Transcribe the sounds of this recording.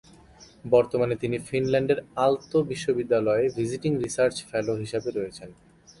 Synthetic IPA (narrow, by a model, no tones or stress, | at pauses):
bɔɾt̪omanet̪inifinlɛɳɖeɾalt̪obiʃːobid̪ːalɔevʱid͡ʑiʈiŋɾisaɾt͡ɕfɛloɦiʃabeɾɔjet͡ɕʰen